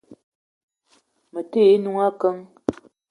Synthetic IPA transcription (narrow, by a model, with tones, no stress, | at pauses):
mə˨te˦˨˦nu˦ŋa˦kə˦ŋ